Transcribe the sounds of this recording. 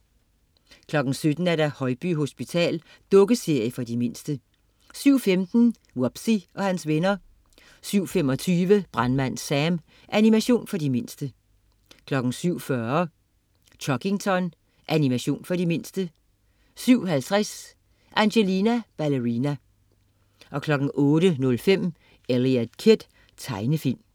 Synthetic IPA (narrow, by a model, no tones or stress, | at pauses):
kʰlɒ̽ɡ̥n̩sød̥n̩æɐɾæhɒ̽ɪb̥yɦo̝sb̥it͡sʰɛ̰ːl | d̥ɔ̽ɡ̥əse̝ɐ̰jəfɒ̽dime̝n̰sd̥ə | syʊ̰femd̥n̩ | wɒb̥siʔɒ̽hænsʋenɐ | syʊ̰femɒ̽t͡sʰyːʋəb̥ʁanmæn̰sæm | ʔænimæɕo̝̰ːnfɒ̽dime̝n̰sd̥ə | kʰlɒ̽ɡ̥n̩syʊ̰fɶɐ | t͡ɕʰɒɡ̥eŋt͡sʰɒ̽n | ʔænimæɕo̝̰ːnfɒ̽ɾime̝n̰sd̥ə | syʊ̰ɦælt͡sʰʁas | ʔænɕelinæb̥æləʁinæ | ʔɒ̽kʰlɒ̽ɡ̥n̩ʔɔ̽ːɾənɔ̽lfem̰ | eliæd̥kʰed̥ | t͡sʰɑ̈ɪnəfil̰m